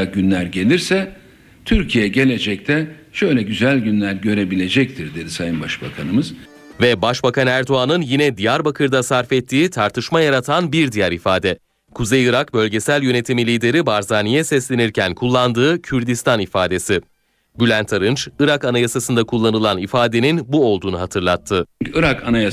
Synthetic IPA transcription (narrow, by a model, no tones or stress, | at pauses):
ɟynlʲæɾɟe̞lʲiɾsɛ | t̪ʰyɾcʰijɛɟe̞lʲe̞d͡ʒɛct̪ʰɛ | ʃø̞jlʲɛɟyzælʲɟynlʲæɾɟø̞ɾe̞bilʲe̞d͡ʒɛc̚t̪ʰiɾd̪e̞d̪isajɯnbaʃbakʰanɯmɯz̥ | vɛbaʃbakanæɾd̪o̞anɯnjinɛd̪ijaɾbakʰɯɾd̪asaɾfɛt̪ʰːiːt̪ʰaɾt̪ʰɯʃmajaɾat̪ʰanbiɾd̪ijaɾifaːd̪ɛ | kʰuzejɯɾakbø̞lʲɟe̞sælʲjø̞ne̞t̪ʰimilʲiːd̪e̞ɾibaɾzaːnijɛsɛslʲe̞niɾcʰænkʰulˠːand̪ɯːcʰyɾd̪ist̪ʰanifaːd̪e̞si | bylʲænt̪ʰaɾɯnt͡ʃɯɾakanajasasɯnd̪akʰulˠːanɯlˠanifaːd̪e̞ninbuo̞lˠd̪uːnuɦat̪ʰɯɾlˠat̪ʰːɯyɯɾakanaja